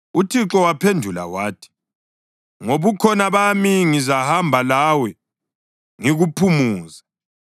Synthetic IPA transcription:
utʰiǁɔwapʰendʱula̰waːtʰi̥ | ŋoβukʰɔnaβamiŋizahambʱalawɛ | ŋiɣupʰumuːza

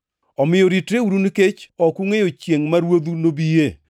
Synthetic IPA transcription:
ɔmɪjoɾitɾeuɾunket͡ʃɔkuŋejot͡ʃjeŋmaɾwod̪unobije

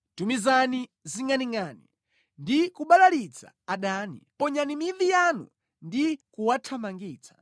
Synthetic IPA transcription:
tumizaniziŋaniŋanḭ | ndikuɓalalit͡sa̰ːɗaːnḭpɔɲanimiðijanṵ | ndikuwatʰamaŋɡiːt͡sḁ

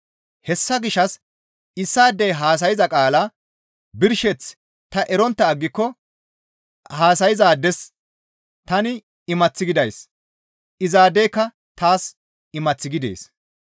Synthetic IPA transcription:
hɛsːɐɡɪʃɐs | ɪsːaːd̪ɛjɦaːs̬ɐjɪzɐkʼaːlɐ | bɪɾʃɛt͡s | t̪ɐʔɛɾɔnt̪ːɐːɡːɪkːɔ | haːs̬ɐjɪzaːd̪ɛs | t̪ɐnɪ | ɪmɐt͡sːɪɡɪd̪ɐjs | ʔɪzaːd̪eːkːɐ | t̪aːs | ɪmɐt͡sːɪɡɪd̪ḛːs

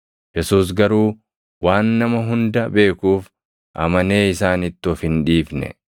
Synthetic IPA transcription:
jɛsuːs̬ɡɐɾuː | waːnːɐmɐɦʊnd̪ɐbe̞ːkuːf | ʔɐmɐneːɪsaːnɪt̪ːɪɔfɪnᶑiːfnɛ̰

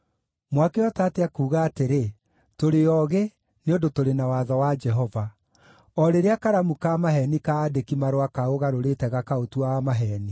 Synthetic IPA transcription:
mwakeɔtaːteakuːɣaːteɾe | toɾeɔɣe | neondotoɾenawaðawad͡ʒɛɦɔva | ɔɾeɾeakaɾamukamaɦɛnikaːdekimaɾowakaoɣaɾoɾetɛɣakaotuaamaɦɛːni

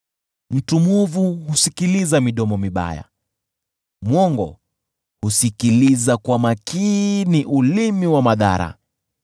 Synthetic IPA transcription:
m̩tumuvuhusikilizamiɗɔmɔmiɓa̰ja̰ | mwɔŋɡɔ̰ | husikilizakwamakiniʔulimiwamaða̰ɾa̰

